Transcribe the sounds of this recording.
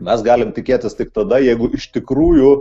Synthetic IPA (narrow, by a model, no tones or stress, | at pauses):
mʲɛsɡɑːlʲɪmt̪ʲɪkʲeːt̪ʲɪst̪ʲɪkt̪ɐd̪ɐjɛɪɡʊʔɪʃt̪ʲɪkruːjʊ